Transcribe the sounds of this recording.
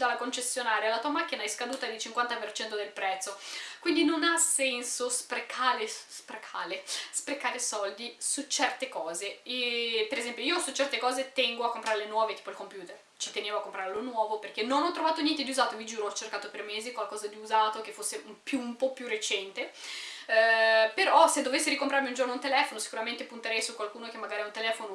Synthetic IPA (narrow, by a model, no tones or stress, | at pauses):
d̪alːakont͡ʃesːjonaːɾealat̪uamakːinaɛjskad̪uːt̪ad̪it͡ʃiŋkwant̪apert͡ʃɛnt̪od̪elpɾɛt̪sːokwind̪inonasɛnsospɾekʰaːlespɾekʰaːlespɾekːaːɾesɔld̪isut͡ʃɛrt̪ekɔːze | peɾezɛmpjoiːosut͡ʃɛrt̪ekɔːzet̪ɛŋɡoakːompɾaːɾelenwɔːvet̪i̥ːpoilkompjuːt̪er | t͡ʃe̥t̪eneːvoakːompɾaɾelonwɔːvoperkenːonɔt̪ːɾovaːt̪onjɛnt̪̬ed̪iuzaːt̪ovid͡ʒuːɾoɔt͡ʃːerkaːt̪opeɾmːeːzikwalkɔːzad̪iuzaːt̪ok̟efːosːeumpjumpɔpjuret͡ʃɛnt̪e | peɾɔsed̪ovesːeɾikompɾarmiund͡ʒornount̪elɛːfonosi̥kuɾament̪epunt̪eɾɛjsukwalkuːnokemːaɡaːɾiaunt̪elɛːfono